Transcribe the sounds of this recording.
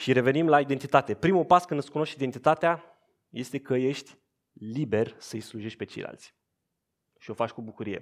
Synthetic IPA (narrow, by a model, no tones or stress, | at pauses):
ʃiɾe̞ve̞nimlaid̪ent̪it̪at̪e̞pɾimupaskɨnd̪ɨskuno̞ʃt̪id̪ent̪it̪at̪ea | je̞st̪e̞kəje̞ʃt̪ʲ | libe̞rsəɨjsluʒe̞ʃt̪ʲpe̞t͡ʃe̞jlʔa̰lt̪sʲ | ʃio̞fat͡ʃʲkubukuɾije̞̰